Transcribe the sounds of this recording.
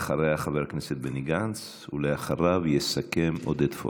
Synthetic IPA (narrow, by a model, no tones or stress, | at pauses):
χaɾejaχaveʁkneset̪̚beniɡant͡s | uleaχaɾavjesake̞mod̪et̪fo̰